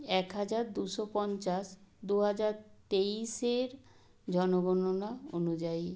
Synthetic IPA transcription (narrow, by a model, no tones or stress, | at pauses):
ɛkɦad͡ʑaɾd̪uʃopɔnt͡ɕaʃd̪uɦad͡ʑaɾt̪eiʃeɾ | d͡ʑɔnoɡɔnonao̰nud͡ʑai